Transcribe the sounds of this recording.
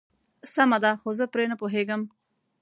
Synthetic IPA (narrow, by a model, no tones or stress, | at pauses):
samad̪axozəpɾenəpoɦeɡəm